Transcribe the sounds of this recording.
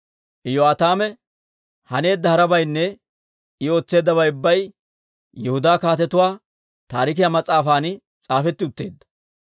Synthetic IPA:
ʔɪjoaːt̪aːmɛ | hɐne̞ːd̪ːɐhɐɾɐbɐjnːɛ | ɪo̞ːt͡sːe̞ːd̪ːɐbɐjʊbːɐj | jɛhʊd̪aːkaːt̪ɛt̪ʊwaː | t̪aːɾɪk̬ɪjamɐt͡sʼaːfaːnɪ | t͡sʼaːfɛt̪ːɪʊt̪ːe̞̰ːd̪ːɐ̥

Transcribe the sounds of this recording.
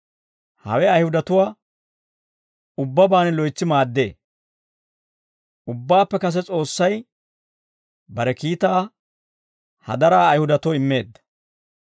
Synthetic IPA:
hɐ̰wɛɐjhʊd̪ɐt̪ʊwaː | ʊbːɐbaːnɛlɔjt͡sːɪmaːd̪ːe̞̰ː | ʔʊbːaːpːɛkɐs̬ɛt͡sʼo̞ːsːɐj | bɐɾɛkiːt̪aː | hɐ̰d̪ɐɾaːjhʊd̪ɐt̪ɔɪmːe̞ːd̪ːɐ̥

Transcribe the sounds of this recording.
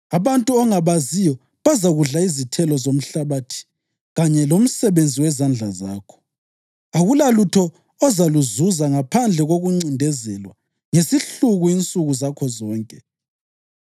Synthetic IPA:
aβantʼuɔŋaβazijɔ | βazaɣuɮaizitʰɛlɔzom̩ɬaβaːtʰi̥ | ɣaɲɛlom̩sɛβend͡zʱiwɛzand͡ɮʱaza̰ːkʰɔ̥ | aɣulalutʰɔː | zaluzuzaŋapʰand͡ɮʱɛɣoɣuŋ͡ǀindʱɛzɛlwa̰ | ŋesiɬuɣuint͡sʼuɣuzakʰɔzɔːŋkʼɛ

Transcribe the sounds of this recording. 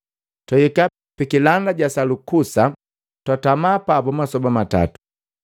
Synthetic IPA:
twajika | pikilandaɟasalukusa | twatamaːpapɔmasɔbamata̰tu̥

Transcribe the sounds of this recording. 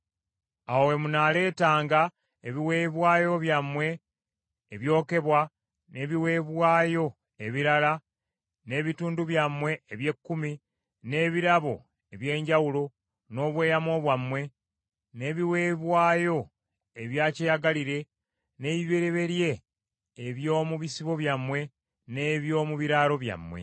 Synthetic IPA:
awwe̞munaːle̞ːtaːŋɡa | eβiwe̞ːβwaːjo̞βjamwe̞ː | βjo̞ːke̞βwa | ne̞βiwe̞βwaːjo̞ | eβiɾala | ne̞ːβituːnduβjamwe̞ːβje̞kːumi | ne̞ːβiɾaβo̞̰ | e̞βje̞ːɲɟawulo̞ | no̞ːβwe̞ːjamo̞ːβwamːwe̞ | ne̞ːβiwe̞βwaːjo̞ | eβjaːcejaɡaliɾe̞ | ne̞ːβiβe̞ɾe̞βe̞ɾje̞ː | βjo̞ːmuβisiβo̞βjamːwe̞ | ne̞βjo̞ːmuβiɾaːɾo̞βja̰mwḛ

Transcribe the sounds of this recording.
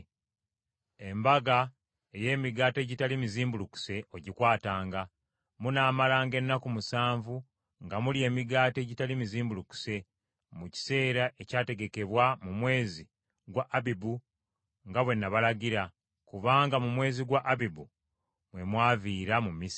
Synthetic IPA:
e̞mbaɡa | e̞je̞ːmiɡaːte̞ɟitalimiziːmbuluku̥se̞oɟikwaːtaːŋɡa | munaːmalaːŋɡe̞nːakumusaːɱvu | ŋɡamulie̞ːmiɡaːte̞ɟitalimiziːmbuluku̥se̞ | muci̥se̞ːɾaʔe̞caːte̞ɡe̞ke̞βwamumwe̞ːzi | ɡwaʔːβibu | ŋɡaβwe̞nːaβalaɡiɾa | kuβaːŋɡamumwe̞ːziɡwaʔːβibu | mwe̞mwaːviːɾamumːis

